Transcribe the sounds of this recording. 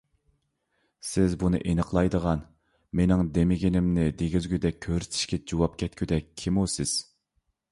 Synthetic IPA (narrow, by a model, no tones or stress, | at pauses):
sɪzbunɨ̰ʔenəqlˠɑjd̪əʁɑn | menɪŋd̪emɪɡʲinɪmnɪd̪eɡʲizɡʲyd̪ɛk̚ʲʰːøɾy̥t̪ʰi̥ʃkʲɛd͡ʒowɑp̚kʲʰɛt̪̚kʲʰyd̪ɛkʲʰːimusɪz̥